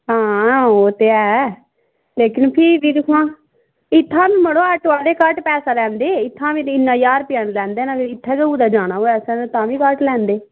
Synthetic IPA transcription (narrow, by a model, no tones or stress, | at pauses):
ɦãːoːt̪eːɛː | leːkɪnpʰɪʋiːd̪ɪkʰãː | ɪt̪ʰːãːbiːməɽoːəʈʋaːleːkəʈpɛːsaːlɛ̃ːnd̪eːɪt̪ʰːãːʋiːt̪ɪnːãːjaːɾpɪjənlɛ̃ːnd̪eːnaɡɪt̪ʰːɛːkəuːd̪aːd͡ʒaːñaːoːɛːsɛ̃ːt̪ãːʋiːkəʈlɛ̃ːnd̪eː